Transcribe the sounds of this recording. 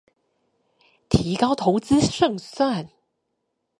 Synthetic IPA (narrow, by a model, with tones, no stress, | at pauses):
t̪ʰi˨˧˥kɑ˥ʊwt̪ʰo˨˧˥ʊt͡sɹ̩˥ʂɤ˥˩ŋswa˥˩n